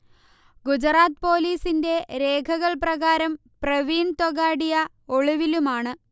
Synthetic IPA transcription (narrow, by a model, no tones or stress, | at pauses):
ɡud͡ʑraːt̪po̞ːliːsinde̞ɾe̞ːkʰɐɣɐɭprɐɣaːɾɐm | prɐʋiːɳt̪oɣaːɽijɐ | oɭuʋilumaːɳɨ